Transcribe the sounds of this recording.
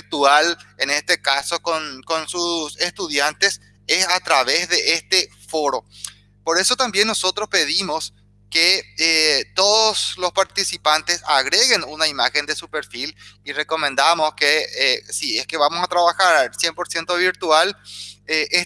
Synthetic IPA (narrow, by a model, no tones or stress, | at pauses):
ɾt̪ualenest̪e̞kaso̞konkonsusest̪uðjant̪es | esat̪ɾaβezðe̞est̪e̞ | fo̞ɾo̞ | poɾe̞sot̪ambje̞nːo̞so̞t̪ɾo̞spe̞ðimos | keet̪o̞ðoslo̞spaɾt̪isipant̪esaɣɾe̞ɣe̞nunaimaxe̞nd̪e̞supeɾfilire̞ko̞mẽnd̪amoskeesieske̞βamo̞sat̪ɾaβaxaɾɾsje̞mpo̞ɾsje̞nt̪oβ̞iɾt̪ualee